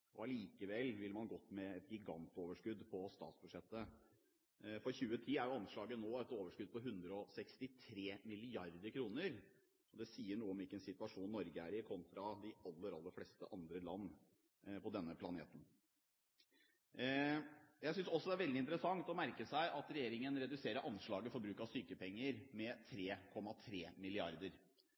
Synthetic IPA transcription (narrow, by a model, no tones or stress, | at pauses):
ʔɔɑliːkəʋɛlːʋɪlmɑnɡɔt̪ːmɛɛt̪̚ɡɪɡɑ̰nt̪oːʋəʂkʉd̪pʰɔst̪ɑ̰ːt̪sbʉʂɛt̪ːə | fɔɾçʉːət̪ʰiːæɾjʊɑnʂɭɑːɡənːoːɛt̪oːʋəʂkʉd̪̚pɔɦʉnd̪ɾəɔsɛkst̪ɪt̪ʰɾeːmɪlɪɑɾd̪əɾkʰɾuːnəɾ | ʔɔd̪ɛsiːəɳuːəɔmɪkːəɛnsɪt̪ʉʋɑʂuːnːɔɾɡəæɾɪkʰɔnt̪ɾɑd̪ɪɑlːəɾɑlːəɾflɛst̪əʔɑnd̪ɾəlɑnː | pʰɔd̪ɛnːəpʰlɑnḛːt̪ən̩ | jæɪsʏnsɔsːɔd̪ɛæɾʋɛld̪ɪnt̪ɾəsɑŋt̪ɔmæɾkəsæɪʔɑt̪ɾɛjeːɾɪŋənɾɛd̪ʉseːɾəɾʔɑnʂɭɑːɡəfɔɾbɾʉːkɑst̪yːkəpʰɛŋːəɾmɛt̪ʰɾeːkʰɔmɑt̪ʰɾeːmɪlɪɑɾd̪əɾ